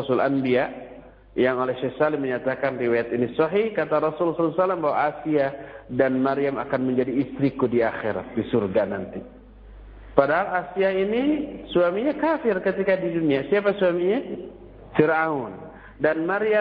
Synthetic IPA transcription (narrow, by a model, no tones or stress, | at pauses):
ɔsʊla̰nbia | jaŋolɛhʃɛhsaliməɲat̪akanriwajat̪inisɔɦihkat̪aɾɔsʊlslsalːambaɦwaʔasiadanmaɾiama̰kanməɲd͡ʒadiːst̪ɾikudiaxeɾa̰t̪̚disurɡanant̪i | padaɦalasiainisuamiɲakafɪrkət̪ikadiduniasiapasuamiɲa | fiɾʔaʊn | danmaɾia